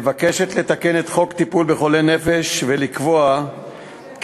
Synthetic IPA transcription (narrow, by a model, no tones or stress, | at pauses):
vake̞ʃe̞t̪le̞t̪ake̞net̪χo̞kt̪ipulbe̞χo̞lene̞feʃve̞likvo̞a | k